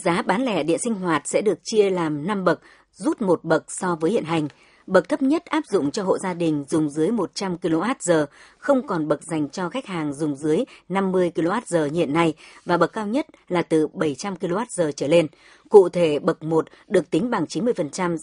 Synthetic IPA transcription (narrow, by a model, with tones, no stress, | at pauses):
zaː˨˦ɓaː˨˦nlɛ˧˩ɗḭ˧˨ənsi˧ŋ̟ɦwaː˨˩t̚sɛ̰˧˥ɗɨ˨˩ək̚t͡ɕi˧əlaː˨˩mna˧mɓə˨˩k̚ | zu˦˥t̚mo˨˩t̚ɓə˨˩k̚sɔ˧vəː˨˦jhḭ˧˨ənɦa˨˩jŋ̟ | ɓə˨˩k̚t̪ʰə˦˥p̚ɲə˦˥t̚ʔaː˦˥p̚zʊ̰˧˨ŋ͡mt͡ɕɔ˧ɦo̰˧˨zaː˧ɗï˨˩ŋ̟zʊ˨˩ŋ͡mzɨ˨˦əjmo˨˩t̚t͡ɕa˧mki˧lo˧maː˦˥t̚zəː˨˩ | xə˧wŋ͡mkɔ˨˩nɓə˨˩k̚za˨˩jŋ̟t͡ɕɔ˧xa˦˥jk̟̚haː˨˩ŋzʊ˨˩ŋ͡mzɨ˨˦əjna˧mːɨ˧əjki˧lo˧maː˦˥t̚zəː˨˩ɲḭ˧˨ənːa˧jvaː˨˩ɓə˨˩kːaː˧wɲə˦˥t̚laː˨˩t̪ɨ˨˩ɓə˧˩jt͡ɕa˧mki˧lo˧maː˦˥t̚zəː˨˩t͡ɕəː˧˩le˧n | kṵ˧˨t̪ʰe˧˩ɓə˨˩k̚mo˨˩t̚ɗɨ˨˩ək̚t̪ï˨˦ŋ̟ɓa˨˩ŋt͡ɕi˨˦nmɨ˧əjfə˨˩nt͡ɕa˧m